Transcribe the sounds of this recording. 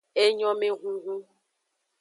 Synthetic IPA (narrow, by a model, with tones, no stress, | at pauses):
e˦ɲɔ˦me˦ɣʷu˦ɣu˦